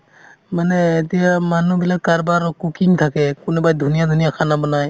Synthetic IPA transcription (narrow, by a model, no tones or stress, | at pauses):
manɛːt̪ijamanubilat̚kaɾbaɾɔkukiŋt̪ʰakɛkunubajd̪ʱunijad̪ʱunijakʰanabɔnaj